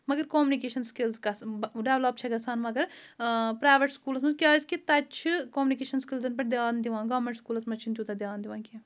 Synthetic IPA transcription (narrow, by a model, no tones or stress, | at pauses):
mɐɡɐɾkoːmunikeːʃɐnskilzɡɐsɖeʋlɐp̚t͡ʃʰɐɡɐsaːnmɐɡɐɾpɾaːʋeʈskuːlɐsmɐzkʲjaːzkit̪ɐt͡ʃʰikoːmnikeːʃɐnskilzɐnpɐɾd̪ʲjaːnd̪iʋãːnɡɐːʋmẽɳʈskuːlɐsmɐt͡ʃʰint̪ʲjuːt̪ɐd̪ʲjaːnd̪iʋãːnkʲi